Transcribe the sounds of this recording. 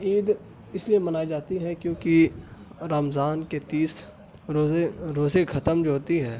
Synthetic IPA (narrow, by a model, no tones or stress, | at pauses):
iːd̪ | ɪsliemɐnaːid͡ʒaːt̪iɦɛkjõːki | ɾaːmzaːnket̪iːs | ɾoɾoːzekʰɐt̪əmd͡ʒoɦoːt̪iɦɛ̃ː